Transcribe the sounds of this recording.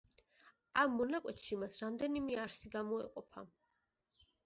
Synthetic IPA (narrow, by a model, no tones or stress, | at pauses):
amːɔnakʼwɛt̪ʃimasɾamd̪ɛnimɛaɾsiɡamɔɛ̰qʼɔpʰa̰